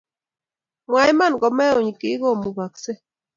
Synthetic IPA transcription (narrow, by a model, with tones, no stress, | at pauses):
mwa˨jma˦˨nɡɔ˨mɛ˦o˨ɲ˨ki˨˦ɡo˦˨mu˨βa˨kse˦